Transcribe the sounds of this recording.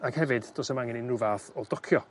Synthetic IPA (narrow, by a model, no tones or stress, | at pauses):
aɡ̥hɛvɨdd̥oːsəmaŋɪninruvaθɔdɔkʰjɔ